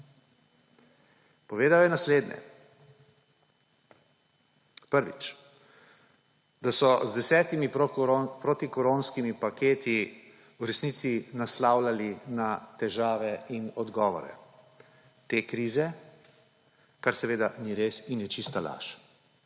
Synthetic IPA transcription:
pɔʋeːd̪ajɔjɛnasleːd̪nʲɛ̰ | pəɾʋḭt͡ʃ | d̪asɔzd̪ɛsɛːt̪imipɾot̪ikɔɾoːnskimipakʰeːt̪i | uɾɛsnit̪sinaslaːwlalinat̪ɛʒaːʋɛinɔd̪ɡɔːʋɔ̰ɾɛ̰ | t̪eːkɾiːzɛ | kaɾsɛʋeːd̪aniɾesinjɛt͡ʃist̪ala̰ʃ

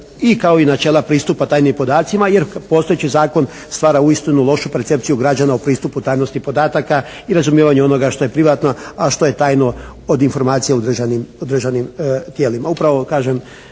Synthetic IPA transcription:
ikao̞inat͡ʃe̞ːlˠapɾiːst̪upat̪aːjnimpo̞d̪aːt̪simaje̞ɾpo̞st̪o̞jet͡ɕizaːko̞n | st̪ʋaːɾauist̪inulˠo̞ʃupeɾt̪se̞pt̪sijuɡɾad͡ʒanaopɾiːst̪uput̪aːjno̞st̪ipo̞d̪aːt̪aka | iɾazumjeːʋaɲeo̞no̞ɡaʃt̪o̞je̞pɾiʋat̪no̞aʃt̪o̞je̞t̪aːjno̞od̪info̞ɾmaːt̪sijeud̪r̩ʒanimud̪r̩ʒanimt̪jeːlimaupɾaʋo̞kaːʒem

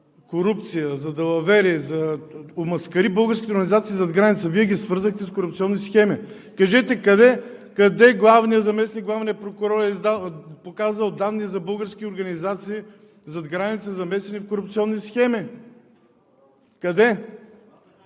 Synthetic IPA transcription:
koɾupt̪sijəzɐd̪ɐvɐvɛɾizɐomɐskɐɾibɤlˠɡəɾskʲt̪ɛoɾɡənʲizat̪siːzɐd̪ɡɾanit̪səviɛɡʲisvɤɾzəxt̪ɛskoɾupt̪siɔnːisxɛmi | kɐʒɛt̪ɛkɐd̪ɛkɐd̪ɛɡlˠavnijəzɐmɛsnik̚ɡlˠavnijəpɾokʊɾɔɾɛizd̪apokazvəlˠd̪anːizɐbɤlˠɡəɾskʲioɾɡɐnizat̪siː | zɐd̪ɡɾanit̪səzɐmɛsɛnifkoɾup̚t̪siɔnːisxɛmi | kɐd̪ɛ

